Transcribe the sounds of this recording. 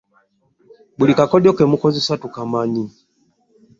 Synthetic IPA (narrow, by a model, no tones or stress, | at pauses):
bulikakɔɗiɔkɛmukɔzisatukamaɲi